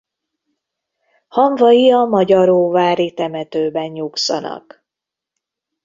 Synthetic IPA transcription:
hɒɱvɒjiɒmɒɟɒɾoːvaːɾit̪ɛmɛt̪øːbɛɲɲuksɒ̰nɒ̰k

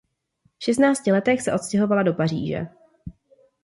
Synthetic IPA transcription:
fʃɛst̪naːt͡scɪlɛt̪ɛxsɛʔo̞t̪scɛɦo̞valado̞parḭːʒɛ̰

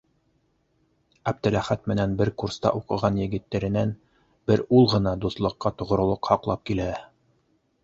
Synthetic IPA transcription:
æb̚d̪ɘ̆læχæt̪̚mɘ̆nænbɘɾkurst̪ɑ̰ʔuqɤ̆ʁɑnjɘ̆ɡɘ̆t̪ːæɾɘ̆næn | b̥ɘɾulˠʁɤ̆nɑd̪uθlˠɤ̆qːɑt̪ŏʁŏɾŏlˠoqhɑqlˠɑp̚kilæ

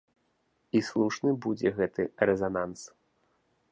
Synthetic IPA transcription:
islˠuʂnɨbud͡zʲɛɣɛt̪ɨrɛzanans

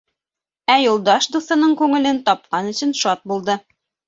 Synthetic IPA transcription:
æjulˠd̪ɑʃd̪uθɤ̆nɤɴkʉŋɘ̆lɘnt̪ɒp̚qɑnɵ̆ɕɘ̆nʃɒt̪̚bulˠd̪ɤ

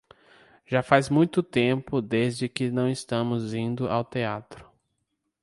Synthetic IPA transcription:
ʒ̥afazmũj̃t̪ʊt̪ẽpʊd̪ezd͡ʒɪkɪnɐ̃w̃ɪst̪ɐ̃mʊzĩnd̪ʊʔa̰wt̪eat̪ɾʊ̥

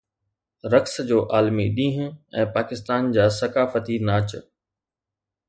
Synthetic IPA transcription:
ɾɐksd͡ʑoːʔaːlmiɗĩːɦʊ̃ɛ̃ːpaːkɪst̪aːnd͡ʑaːsɐkaːfət̪inaːt͡ɕə̆

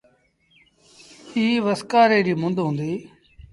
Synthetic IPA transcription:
iːʋəskaːɾeːɾiːmʊ̃nd̪ɦʊ̃ːnd̪iː

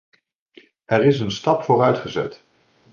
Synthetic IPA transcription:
ɛrɪsənstɑpfʊːrœɥtχəzɛ̰t

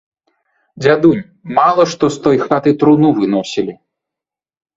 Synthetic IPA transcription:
d͡zʲad̪unʲ | malˠɐʂt̪ɔst̪ɔjxat̪ɨt̪ɾunuvɨnɔsʲilʲi

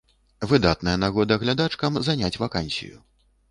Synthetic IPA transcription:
vɨd̪at̪nɐjɐnaɣɔd̪ɐɣlʲad̪at͡ʂkɐmzanʲat͡sʲvakanʲsʲḭjṵ

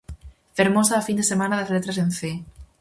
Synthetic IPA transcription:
feɾmosaːfind̪esemanaðazlet̪ɾasenθe

